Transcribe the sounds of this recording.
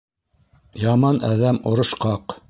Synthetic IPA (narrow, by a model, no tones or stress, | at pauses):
jɑmɑnʔæðæmŏɾɤ̆ʃqɑq